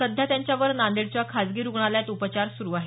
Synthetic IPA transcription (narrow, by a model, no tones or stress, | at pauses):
əd̪ʱjat̪jaɲt͡ɕjaʋəɾnand̪eɽt͡ɕakʰad͡zɡiːɾuɡɳaljat̪upət͡ɕaɾsuɾuːaɦe